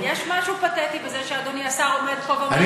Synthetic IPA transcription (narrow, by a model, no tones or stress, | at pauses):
jeʃmaʃupat̪et̪ibezeʃead̪oniasaomed̪̚kobaan